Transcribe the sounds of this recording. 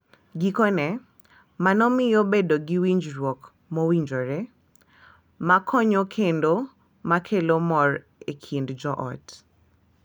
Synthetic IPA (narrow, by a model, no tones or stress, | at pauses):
ɡikɔnɛ | manɔmɪjobedoɡiwiɲd͡ʒɾwɔk | mɔwiɲd͡ʒoɾe | makʰɔɲokʰendo | makʰelomɔr | ekʰindd͡ʒɔʔɔ̰t